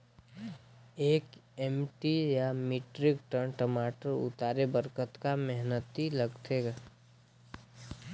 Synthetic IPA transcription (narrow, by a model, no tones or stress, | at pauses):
eːkɛːmʈijamɪʈɾɪkʈənʈəmaːʈəɾʊ̰t̪aːɾebəɾkət̪kamɛɦnət̪iləɡt̪eɡaː